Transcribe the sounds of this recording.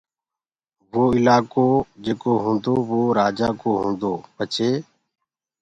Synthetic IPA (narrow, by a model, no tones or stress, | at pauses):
ʋoːɪlaːkoːd͡ʒeːkoːɦũːnd̪oːʋoːɾaːd͡ʒaːkoːɦõːnd̪oːpət͡ʃʰeː